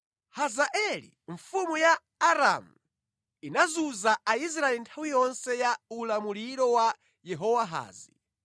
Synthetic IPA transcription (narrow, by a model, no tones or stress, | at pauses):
hazaʔɛlḭɱfumujaː | ɾa̰mu | inazuzaais̬ɾaɛlintʰawijɔnsɛjaulamuliɾɔwa | jɛɦɔwaɦa̰ːzi